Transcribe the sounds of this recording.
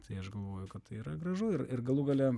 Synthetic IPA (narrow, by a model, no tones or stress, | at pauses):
t̪ʰɐɪɐʃɡɐlˠʋoːjʊkɐt̪t̪ɐɪiːɾɐɡɾɐʒʊɪrɪrɡɐlˠuɡɐlʲɛ